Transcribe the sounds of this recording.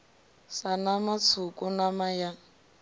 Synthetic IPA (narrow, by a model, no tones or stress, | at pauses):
sanamat͡sʰukʼunamaja